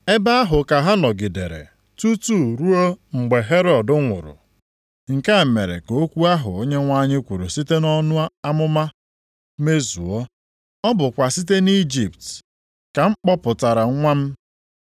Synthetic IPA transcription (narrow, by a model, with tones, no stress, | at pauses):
e˦ba˦a˦ɦʊ˨ka˨ɦa˦nɔ˨ɡɪ˨de˨ɾḛ˨ | tu˦tu˦˨ɾu˦o˦ŋ͡m̩˨ɡ͡be˨ɦe˦ɾɔ˨dʊ˦ŋʷʊ̰˨ɾʊ̰˨ | ŋ̩˨ka˦˨me˨ɾḛ˨ko˨o˦kʷu˦a˦ɦʊ̰˨o˦ɲe˦ŋʷa˦ɲɪ˦kʷu˨ɾu˨si˦te˦nɔ˦nʊ˦a˦a˦mʊ˦ma˦ | me˦zṵ˨ɔ˦ | ɔ˦bʊ˨kʷa˨si˦t̬e˦ni˦d͡ʒi˨pt | ka˨ŋ͡m̩˦k͡pɔ˦pʊ˨ta˨ɾa˨ŋ˦ŋʷa˦m̩˦